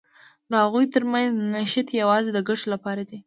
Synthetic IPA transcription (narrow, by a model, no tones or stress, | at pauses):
d̪əhaɣujt̪əɾmanznaʃat̪jawɑzed̪əɡaʈolapɑɾad̪i